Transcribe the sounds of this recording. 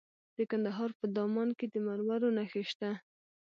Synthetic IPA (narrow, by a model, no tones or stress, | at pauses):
d̪̥əkand̪aɦɑɾpəd̪ɑmɑnked̪əmaɾwaɾonaxeʃt̪a